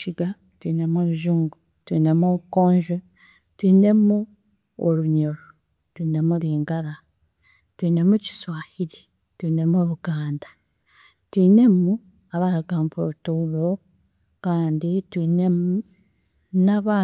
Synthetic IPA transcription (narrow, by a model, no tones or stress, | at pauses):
ʃiɡa | twiːne̞moɾuʒuːŋɡu | twiːne̞moβukoːɲʒo | twiːne̞mu | oɾuɲoɾo | twiːne̞muliːŋɡaɾa | twiːne̞muci̥swaːhiɾi̥ | twiːne̞moɾuɡaːndḁ | twiːne̞mu | aβaɾaɡaːmpoutulo | kaːnditwiːnemu | naβa